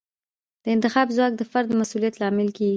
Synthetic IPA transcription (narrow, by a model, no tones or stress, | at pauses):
d̪̥əɪnt̪ɪxɑbzwɑk̚d̪əfaɾd̪masulijat̪lɑmɪlkeɡi